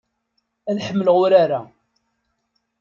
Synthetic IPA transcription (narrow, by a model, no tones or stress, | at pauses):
æðħəmːələʁʊɾaɾa